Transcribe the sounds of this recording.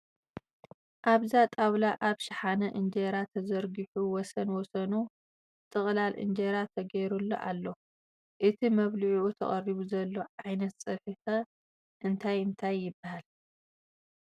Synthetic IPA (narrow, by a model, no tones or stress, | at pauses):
ʔaβzat̪ʼawlaʔaβʃɪħanɐʔɨnd͡ʒeɾat̪ʰɐzɐɾɡɨħuwɔsɐnwɔsɐnu | t̪ʼɨχʼlalʔɨ̰nd͡ʒeɾat̪ʰɐɡɐjɾulːo̰ʔalːo̞ | ʔɨt̪ʰimɐβliʕuʔut̪ʰɐ̰χʼɐriβuzɐlːo̞ʕajnɐt̪sʼɨħixɐ | ʔɨnt̪ʰajɨnt̪ʰajːɪbːahal